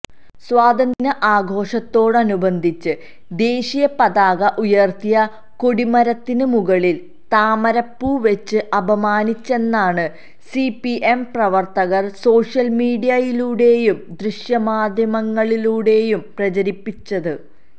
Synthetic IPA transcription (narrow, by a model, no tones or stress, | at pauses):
swaːd̪ʱɐnd̪inɐʔaːɡʱo̞ːʂɐt̪ːo̞ːɽɐnubɐnd̪ʱit͡ɕːɨ | d̪e̞ːɕijɐpɐðaːɣɐʔujɐrt̪ijɐ | ko̞ɽimɐɾɐt̪ːinɨmuɣɐɭil | t̪aːmɐɾɐpːuʋet͡ɕːɨʔɐbʱɐmaːnit͡ɕːe̞nːaːɳɨ | sipiʔemprɐʋɐrt̪ɐɣɐrso̞ːʂjɐlmiːɽijɐjiluːɽe̞ːjumd̪riʂjɐmaːd̪ʱjɐmɐŋːɐɭiluːɽe̞ːjumprɐt͡ɕɐɾipːit͡ɕːɐðɨ